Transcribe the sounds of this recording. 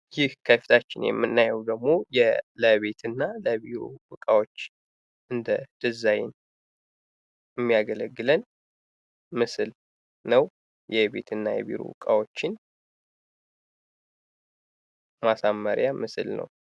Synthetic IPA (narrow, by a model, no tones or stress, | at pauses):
jɪhkʰəfi̥t̪ʰat͡ʃːɪnjɛ̰mːɨnːajɛwd̪əɡmo̞jɛləβe̞t̪ʰɨnːaləbiɾo̰wɨkʼawo̞t͡ʃː | ʔɨnd̪ət̪ɨzajɪn | ɛmːijaɡələɡːɨlən | mɨsɨl | nəw | jɛbe̞̰t̪ʰɨnːajɛ̰βḭɾo̰wɨ̰kʼawo̞t͡ʃːɪn | masamːəɾjamɨsɨlnə̰w